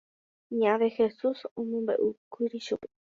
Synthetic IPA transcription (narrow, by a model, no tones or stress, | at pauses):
ɲãβexesusõmõmbḛʔukʷiɾiʃupe̥